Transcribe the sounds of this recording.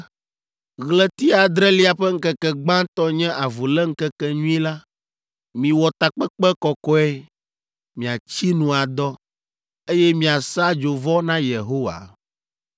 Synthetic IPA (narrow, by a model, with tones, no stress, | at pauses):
ɣlɛ˦t̪i˦a˨d̪ɾɛ˦li˦a˨ɸɛ˦ŋ̩˦kɛ˦kɛ˨ɡ͡bã˦t̪ɔ˦ɲɛ̃˦ʔa˨vu˨lɛ˦ŋ̩˦kɛ˦kɛ˦ɲũ˦i˦la˦ | mĩ˨wɔ˨t̪a˨k͡pɛ˦k͡pɛ˦kɔ˨kɔ˦ɛ˦ | mĩ˨a˨t͡ɕi˦nũ˨a˨d̪ɔ˦ | e˦jɛ˦mĩ˨a˨sa˦d͡ʒo˨vɔ˦nã˦je˨ɦo˦wa̰˨